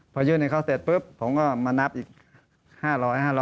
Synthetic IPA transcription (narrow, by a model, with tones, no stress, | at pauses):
pʰɔː˧jɯː˧˥˨na˧˩kʰaː˧˥˩seː˨˩t̪̚pɯ˦˥pʰːo˨˩˦mkɔː˧˥˩maː˧na˧˦˥p̚ʔiː˨˩k̚ | haː˥˩ɾɔː˧˥˩jhaː˥˩lɔː˧